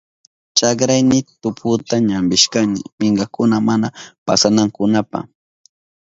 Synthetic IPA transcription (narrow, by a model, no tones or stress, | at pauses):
t͡ʃakɾajnɪt̪ʊpʰʊt̪aɲambɪʃkanɪ̰mɪŋɢɑkʊnamanapasanaŋkʊnapa̰